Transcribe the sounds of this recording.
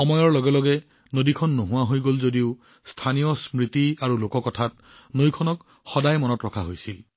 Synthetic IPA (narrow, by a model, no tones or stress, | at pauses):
xɔmɔjɔɹlɔɡɛlɔɡɛ | nodikʰɔnːoɦʊ̃waɦojɡolzodiʊ | stʰanijɔsmɹit̪iaɹulokɔkɔtʰat̚ | nojkʰɔnɔk | xɔdajmɔnɔtɹɔkʰaɦojsil